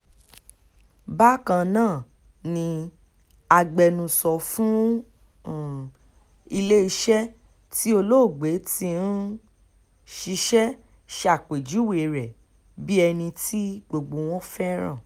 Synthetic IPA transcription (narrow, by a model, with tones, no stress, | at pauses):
ba˦kã˧nãː˦˨ | nĩ˧ | a˧ɡ͡bɛ˧nũ˧sɔ˧fũ˦˨ | i˧le˦i˧ʃɛ˦ | ti˦o˧lo˦˨ɡ͡be˨˦tĩ˧n̩˦ | ʃi˧ʃɛ˦ | ʃa˨k͡pe˨d͡ʒu˨˦we˨ɾɛ˨ | bi˦ɛ˧nĩ˧tʰi˦ɡ͡bo˨ɡ͡bo˨˧w̃ɔ̃˦fɛ˦ɾ̃ã̰˦˨